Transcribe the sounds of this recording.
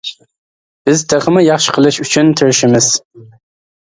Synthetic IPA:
b̥ɨzt̪ʰɐχɨmɨjɑχʃqʰəlˠɨʃut͡ʃʰɪnt̪ʰɨɾʃɪmɪz

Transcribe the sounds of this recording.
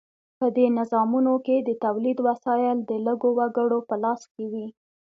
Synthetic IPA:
pəd̪enɪzɑmunoked̪ət̪awlid̪wasɑjɪld̪ələɡowaɡəɽopəlɑskewi

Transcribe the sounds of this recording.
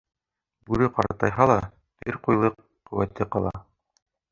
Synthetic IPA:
bʉɾɘqɑɾɑ̰t̪ɑjɦɑlˠɑ | t̪ɘɾqujlˠɤqːɵ̆wæt̪ːɘqɑlˠɑ

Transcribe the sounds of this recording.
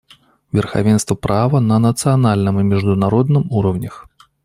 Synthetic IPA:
vʲɛrxa̰vʲɛnst̪vɐpɾavɐnɐnɐt̪sɨjanalʲnɨmimʲiʐd̪unaɾɔd̪nɨmuɾɐwnʲɐx

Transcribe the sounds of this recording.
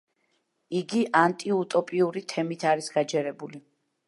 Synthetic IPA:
iɡiʔant̪ʼiut̪ʼɔpʼiuɾit̪ʰɛmit̪ʰaɾisɡad͡ʒɛɾɛbuli

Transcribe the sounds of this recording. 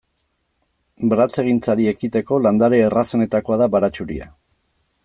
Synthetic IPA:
bɾat͡se̞ɣ̞int͡saɾie̞kit̪e̞ko̞land̪aɾe̞ːraso̞ne̞t̪ako̞aðabaɾat͡ʃuɾḭa̰

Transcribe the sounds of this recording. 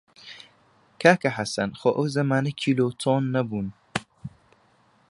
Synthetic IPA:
kʰaːkɐħasɐnxoːʔɐwzɐmaːnɐkʰiːloːt̪ʰoːnːɐbuːn

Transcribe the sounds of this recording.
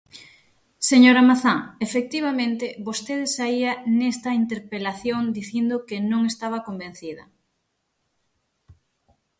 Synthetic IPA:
seɲoɾamaθaŋefek̚t̪iβamẽnt̪ɪβost̪eðesaianest̪ɐint̪eɾpelaθjoŋd̪iθind̪okɪnõŋest̪aβ̞ɐkombẽn̟θiðɐ̰

